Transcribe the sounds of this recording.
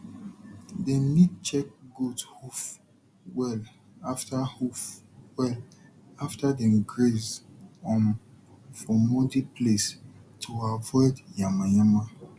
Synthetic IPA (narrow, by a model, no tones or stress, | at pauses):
denid̚t͡ʃɛk̚ɡudhuf | wɛl | aftahuf | wɛl | aftadɛ̃nɡɹezɔ̃n | fɔmɔdiplestʰuavɔɪdjamajama